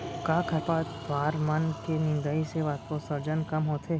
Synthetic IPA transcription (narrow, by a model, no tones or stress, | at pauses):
kaːkʰɐpad̪ʋaːɾmɐnkenɪ̃nd̪əiseʋaːt̪kõsɐɾd͡ʒənkɐmɦoːt̪ʰeː